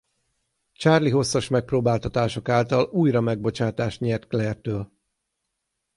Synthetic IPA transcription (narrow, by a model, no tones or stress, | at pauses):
t͡ʃaːrliɦo̞sːɒʃmɛk̚proːbaːlt̪ɒt̪aːʃo̞kaːlt̪ɒluːjrɒmɛɡ̚bo̞t͡ʃaːt̪aːʃt̪ɲɛrt̪klɛrt̪øːl